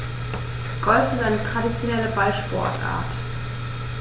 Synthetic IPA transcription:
ɡ̥ɔlfɪzaɪnətʁ̥adit͡sjonɛləbaɪʃpɔ̰ɐtʔa̰ːɐt

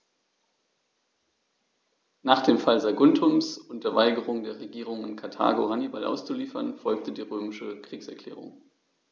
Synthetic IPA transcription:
naːχd̥eːmfalzaɡʊntʰʊmsʊnd̥ɐvaɪɡəʁ̞ʊŋdeːɐʁ̞eɡiːʁ̞ʊŋɪnkʰaɐtʰa̰ːɡo̰ɦanibalʔa̰ʊst͡suliːfɐnfɔlk̚tədiːʁøːmɪʃəkʁ̥iːksɛɐklɛ̰ːʁ̞ʊ̰ŋ

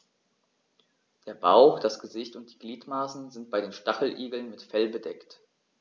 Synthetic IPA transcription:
d̥eːɐbaʊxd̥asɡ̥əzɪçtʊnt̚d̥iːɡliːtmaːsn̩zɪnt̚b̥aɪɾeːnʃtaχl̩ʔiːɡl̩nmɪtfɛlbədɛkt

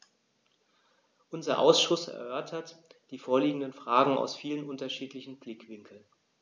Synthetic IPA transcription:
ʔʊnzɐ̰ʔa̰ʊsʃʊsɛ̰ɐʔœɐtʰɐtd̥iːfoːɐliːɡŋ̩dənfʁ̥aːɡŋ̩a̰ʊsfiːlənʔʊntɐʃiːtlɪçn̩blɪkv̥ɪŋkʰl̩n

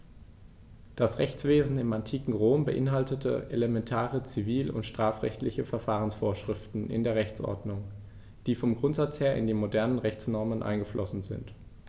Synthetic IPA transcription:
d̥asʁɛçt͡sv̥eːzn̩ɪmantʰiːkŋ̩ʁoːmbəʔɪnɦaltətʰə̰ʔelemɛntʰaːʁət͡siviːlʊ̰ntʃtʁ̥aːfʁ̥ɛ̰çtlɪçəfɛɐfaːʁənsfoːɐʃʁ̥ɪftn̩ʔɪ̰ndeːɐʁɛçt͡sʔɔ̰ɐdnʊŋ | d̥iːfɔmɡʁʊntz̥at͡sheːɐʔɪ̰ndiːmodɛɐnənʁɛçt͡snɔɐmənʔa̰ɪnŋɡəflʔɔsn̩zɪ̰nt

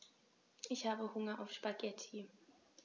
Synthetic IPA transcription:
ʔɪçhaːbəhʊŋɐʔaʊfʃpaɡɛtʰi

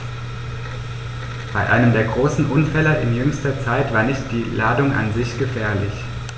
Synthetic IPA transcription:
b̥aɪʔa̰ɪnəmdeːɐɡʁoːsn̩ʔʊnfɛlɐʔɪnjʏŋstɐt͡saɪtv̥aːɐnɪçt̚d̥iːlaːdʊŋʔa̰nzɪçɡ̥əfɛːɐlɪç

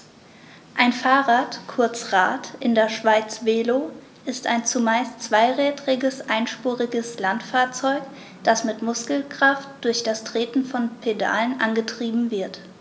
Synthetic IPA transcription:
ʔaɪnfaːʁaːtkʰʊɐt͡sʁa̰ːtʔɪndeːɐʃv̥aɪt͡sv̥eːlo | ʔɪsta̰ɪnt͡sumaɪstt͡sv̥aɪʁɛːtʁɪɡəsʔaɪnʃpuːʁɪɡəslantfaːɐt͡sɔʏk | d̥asmɪtmʊskl̩kʁ̥aftd̥ʊɐçd̥astʁ̥eːtn̩fɔnpʰeda̰ːlənʔanɡətʁ̥iːbm̩vɪɐt

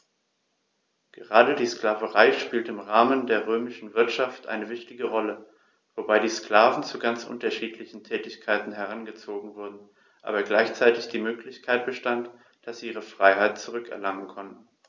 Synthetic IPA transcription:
ɡ̥əʁaːdədiːsklaːvəʁaɪʃpiːltəɪmʁaːməndeːɐʁøːmɪʃn̩vɪɐtʃaftʔa̰ɪnəvɪçtɪɡəʁɔlə | v̥obaɪdiːskl̥aːvn̩t͡suɡant͡sʔʊ̰ntɐʃiːtʰlɪçn̩tʰɛːtɪçkʰaɪtn̩ɦɛʁ̞anɡət͡soːɡŋ̩vʊɐdn̩ | ʔa̰ːbɐɡlaɪçt͡saɪtɪçd̥iːmøːklɪçkʰaɪt̚b̥əʃtant | d̥asz̥iːʔiːʁ̞əfʁ̥aɪɦaɪt̚t͡suʁʏkɛ̰ɐlaŋənkʰɔntn̩

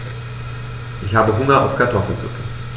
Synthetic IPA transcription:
ʔɪçhaːbəɦʊŋɐʔa̰ʊfkʰatʰɔfl̩zʊ̰kə

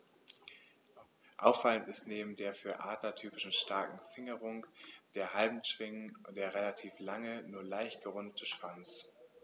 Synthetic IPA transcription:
ʔaʊfːaləntɪstneːbm̩deːɐfyːɐʔaːtɐtʰyːpɪʃn̩ʃtaɐkŋ̩fɪŋəʁʊŋd̥eːɐɦalbm̩ʃv̥ɪŋnʊd̥eːɐʁelatʰiːflaŋənuːɐlaɪçtɡ̥əʁʊndətʰəʃv̥ant͡s

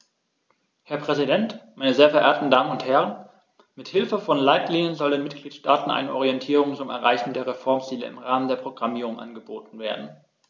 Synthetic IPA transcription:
hɛɐpʁ̥ɛzidɛntmaɪnəzeːɐfɛɐʔeːɐtn̩daːmənʊnthɛʁ̞ən | mɪthɪlfəfɔnlaɪtliːnjənzɔldeːnmɪt̚ɡ̥liːtʃtaːtn̩ʔa̰ɪnəʔɔʁiɛntʰiːʁʊŋt͡sʊmɛ̰ɐʁa̰ɪçn̩deːɐʁefɔɐmt͡siːlə̰ʔɪ̰mʁaːməndeːɐpʁ̥oɡʁamiːʁ̞ʊŋʔa̰nɡəboːtn̩veːɐdn̩

